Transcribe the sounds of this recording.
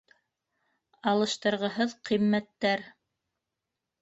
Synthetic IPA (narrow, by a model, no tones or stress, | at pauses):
ɑlˠɤ̆ʃt̪ɤ̆ɾʁɤ̆ɦɤðqimːæt̪ːæɾ